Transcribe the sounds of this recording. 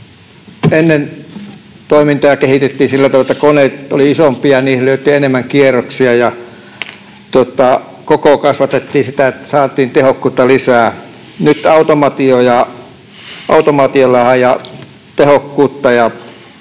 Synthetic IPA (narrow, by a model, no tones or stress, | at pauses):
enːen | t̪oimint̪ɑjɑkehit̪et̪ːiːnsilːæt̪ɑʋlet̪ːækonet̪oliisompiɑniːhlyøt̪ːˑienemːæŋkieroksiɑjɑ | t̪uot̪ˑɑ | kokokɑsʋɑt̪et̪ːiːsit̪æet̪ːæ̥sɑːt̪ˑiːnt̪ehokːuːt̪ːɑlisæː | nyt̪ɑut̪omɑt̪iojɑ | ʔɑ̰ut̪omɑt̪iolɑhɑjjɑ | t̪ehokːuːt̪ːɑjɑ